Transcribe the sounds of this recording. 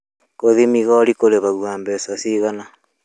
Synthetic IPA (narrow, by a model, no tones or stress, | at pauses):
koðimiɣɔɾikoɾeβaɣwaːmbɛsasiɣana